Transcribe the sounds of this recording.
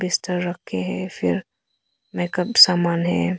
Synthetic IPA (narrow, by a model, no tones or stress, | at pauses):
bɪst̪əɾːɐkʰːeɦɛ̃fɪ̰ɾ | mɛːkəbsaːmaːnɦɛ̰̃